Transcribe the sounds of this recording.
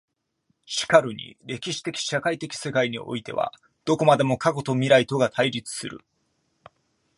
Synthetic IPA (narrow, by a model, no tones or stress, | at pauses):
ɕi̥kaɾɯ̟ɲ̟ḭɾe̞kʲiɕi̥t̪e̞kʲi̥ɕakait̪e̞kʲi̥se̞kaiɲ̟iʔo̞̰it̪e̞̰βa̰ | d̪̥o̞ko̞mad̪e̞mo̞kako̞t̪o̞mʲiɾait̪o̞ɡat̪ʰaiɾʲit͡sɨ̥sɨɾɯ̟̰